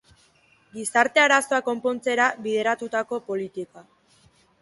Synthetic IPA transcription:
ɡisaɾt̪e̞aɾaso̞ako̞mpo̞nt͡se̞ɾaβið̞e̞ɾat̪ut̪ako̞po̞lit̪ika

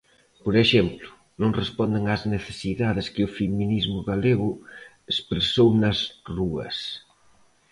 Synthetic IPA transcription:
poɾeʃɛmplʊ | nõŋrespɔnd̪eŋazneθe̥siðaðeskɪʊfeminizmʊɣaleɣʊ | espɾesownɐzruɐ̰s

